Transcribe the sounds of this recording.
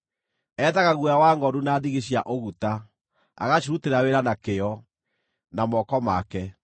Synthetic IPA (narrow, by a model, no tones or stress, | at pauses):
ɛːðaɣaɣwjawaːŋɡɔɾunaːðiɣeɕiaʔoɣuta | a̰ɣaɕuɾuteɾaweɾanakeɔ | namɔkɔmakɛ